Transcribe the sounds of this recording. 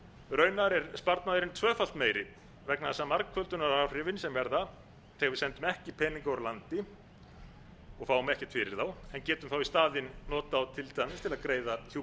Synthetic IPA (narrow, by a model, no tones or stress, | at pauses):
ɾœːɥnaɾɛɾspaɾt̪naðʏɾɪnt̪ʰvœːfal̥t̪meːjɾɪ | vɛknaðɛsamaɾkʰfœlt̪ʏnaɾar̥ɪvɪnsɛmvɛɾða | θɛːɣavɪðsɛnt̪ʏmɛhcɪpʰɛːniŋkaɾlant̪ɪ | ɔɣfaːwʏmɛhcɪt̪fɪɾɪ̰ɾθawɛncɛːt̪ʏmθawist̪aːðɪnːɔːt̪aːwt̪ʰɪlt̪ʰaanɪst̪ʰɪlaðkɾeːjðahu